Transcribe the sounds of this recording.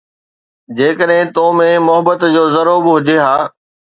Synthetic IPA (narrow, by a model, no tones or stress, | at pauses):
d͡ʑeːkəɗɦɪ̃t̪oːmẽmʊɦəbət̪d͡ʑoːzɐɾoːbɦʊd͡ʑeɦaː